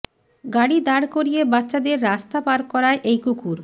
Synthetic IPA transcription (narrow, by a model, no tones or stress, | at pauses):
ɡaɽid̪aɽkoɾijebatːʃad̪eɾːast̪apaɾk̚kɔɾaeʔejkukʰuɾ